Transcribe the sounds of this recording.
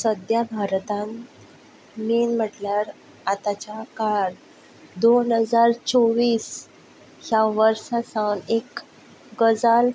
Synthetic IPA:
səd̪jabʱaɾt̪ãn | miːnm̤əʈljaɾ | at̪at͡ɕakaɾ | d̪onɦəd͡zaɾt͡sɔʋiːs | hjaʋəɾsasawnek | ɡəd͡zal

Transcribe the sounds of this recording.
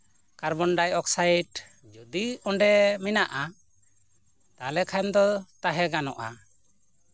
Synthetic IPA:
kaɾbɔnɖajɔksajʈ | d͡ʒud̪iɔɳɖɛminaʔa | t̪alɛkʰajnd̪ɔt̪aɦɛɡanɔʔa̰

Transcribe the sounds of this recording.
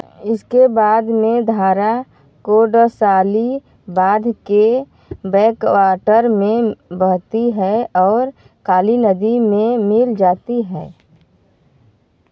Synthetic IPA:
ɪskebaːd̪mẽd̪ʱaːɾa | koɖəsaːli | baːd̪ʱke | bɛːkwaːʈəɾmẽbəɦt̪iɦɛɔːɾ | kaːlinəd̪imẽmɪld͡ʒaːt̪iɦɛː

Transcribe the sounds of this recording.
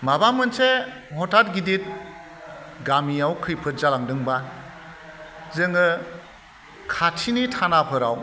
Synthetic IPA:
mabamɯnse | hɔtʰat̚ɡidit̚ | ɡamiawkʰɯjpʰɯt̚zalaŋdɯŋba | zɯŋɯ | kʰatʰinitʰanapʰɯɾaw

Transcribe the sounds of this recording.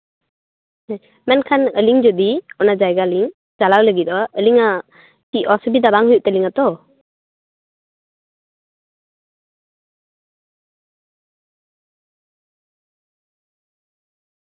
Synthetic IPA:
mɛnkʰanəliŋd͡ʒɔd̪iɔnad͡ʒajɡaliŋ | d͡ʒalawləɡit̪̚ˀɔəliŋa | tiʔ̚ɔsbid̪abaŋɦujuʔ̚t̪ɛliŋat̪ɔ

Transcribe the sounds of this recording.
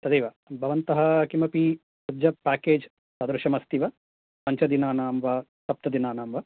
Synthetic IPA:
t̪ɐd̪ejʋɐ | bʱɐʋɐnt̪ɐɦɐkimɐpi | sɐd͡ʒɐpaːkeːd͡ʒ | sɐːd̪ɾuʃɐmɐst̪iʋɐ | pɐɲt͡ʃɐd̪inaːnaːmʋɐsɐp̚t̪ɐd̪inaːnaːmʋɐ

